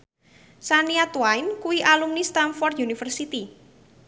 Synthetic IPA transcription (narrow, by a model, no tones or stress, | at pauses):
saniat̪wajnkuwiʔalumnist̪anfɔrd̪junifərsit̪i